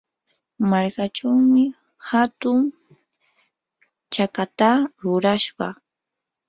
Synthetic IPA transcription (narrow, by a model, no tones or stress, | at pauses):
maɾkaʈ͡ʂawmɪ | hat̪ʊŋ | t͡ʃakat̪aɾʊɾaʃɢɑ̰